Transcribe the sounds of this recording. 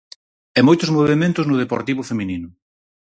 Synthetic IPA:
ɛmojt̪ʊzmoβemẽnt̪ʊznʊð̞epoɾt̪iβʊfemininʊ

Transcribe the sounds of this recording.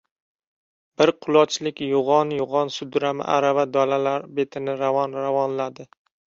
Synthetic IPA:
b̥ɪɾqʰʊlˠɒt͡ʃlɪkʲjʊʁɒnjʊʁɒnsʊd̪ɾamɪ̰ʔa̰ɾavad̪ɒlalaɾbe̞t̪ʰɪnɪɾavɒnɾavɒnlad̪ɪ

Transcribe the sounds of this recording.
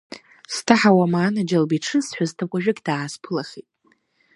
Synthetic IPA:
stʰaħawamaːnad͡ʒalbiʈ͡ʂʰɨsħʷaztʰakʷʼaʒᶣɪkʲʼd̥aːspʰɨlaχitʼ

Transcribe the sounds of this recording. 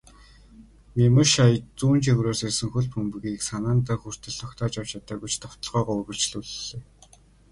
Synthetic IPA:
mʲemɘ̆ʃajt͡suːnt͡ɕeɣɾoːsesɘ̆ŋxɵɮpʰɵmpɘɣiːksanaːnt̪aːxur̥t̪ɘ̆ɮt̪ʰɔkt̪ʰɔːt͡ɕawt͡ɕʰat̪aːɡut͡ɕt̪ʰɔw̥t̪ɞ̆ɮʁœːʁɔːuɣɵ̆ɮt͡ɕɮuɮɮeː

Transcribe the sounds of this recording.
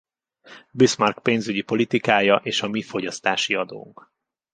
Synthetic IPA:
bismɒrkpeːnzyɟipo̞lit̪ikaːjɒʔeːʃɒmifo̞ɟɒst̪aːʃiɒd̪o̰ːŋk

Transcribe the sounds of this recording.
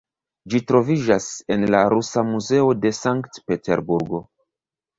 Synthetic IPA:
d͡ʒitɾo̞vid͡ʒase̞nlaɾusamuze̞o̞de̞saŋktpe̞te̞̰ɾbuɾɡo̞

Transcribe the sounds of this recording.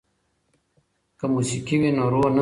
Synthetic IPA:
kəmusikiwinoɾoːn

